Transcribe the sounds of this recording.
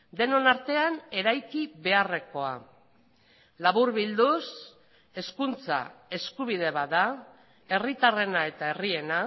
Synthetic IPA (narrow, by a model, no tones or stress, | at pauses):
d̪e̞no̞naɾt̪e̞ane̞ɾajkiβe̞are̞ko̞a | laβuɾβild̪us | e̞skunt͡sa̰e̞skuβ̞ið̞e̞βaða | e̞rit̪are̞nae̞t̪ae̞rie̞na